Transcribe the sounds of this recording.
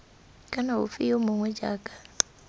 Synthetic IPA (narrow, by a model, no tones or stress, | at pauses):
kʼanaṵfijomuŋwɛd͡ʒa̰ːkʼḁ